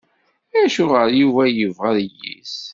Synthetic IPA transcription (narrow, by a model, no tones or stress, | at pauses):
æʃʊʁəɾjuvæjəvʁəɾjḭs